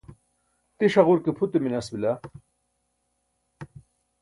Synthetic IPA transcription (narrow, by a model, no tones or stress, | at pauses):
t̪iɕɐʁuɾkepʰut̪eminɐsbila